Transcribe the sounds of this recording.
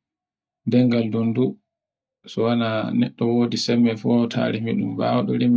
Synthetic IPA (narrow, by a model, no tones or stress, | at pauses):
dɛŋɡaldundu | sɔwananɛ̰ɗːɔwoːdisɛmːɛfɔtʰa̰ːɾimiɗumba̰wɗɔlim